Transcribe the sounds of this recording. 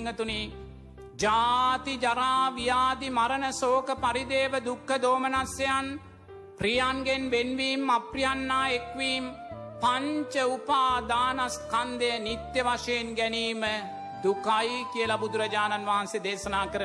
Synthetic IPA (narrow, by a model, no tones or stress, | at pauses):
ŋːət̪uni | d͡ʒaːt̪id͡ʒaɾaːʋijaːd̪imaɾənəsoːkəpaɾid̪eːʋəd̪ukʰːəd̪oːmənasjejan | prijaːnɡenʋenʋiːmaprijanːaːekʋiːmpaɲt͡ʃəupaːd̪aːnaskand̪eənit̪jəʋaʂəjenɡæniːmə | d̪ukajkiəlabud̪uɾɐd͡ʒaːnanʋaɦansed̪eːsɐnaːkəɾə